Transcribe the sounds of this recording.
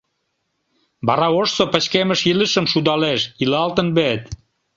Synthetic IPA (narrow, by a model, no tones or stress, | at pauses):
bɑɾɑoʃsopə̆t͡ɕkemə̆ʃiləʃə̆mʃud̪ɑleʃilɑlt̪ə̆nbet̪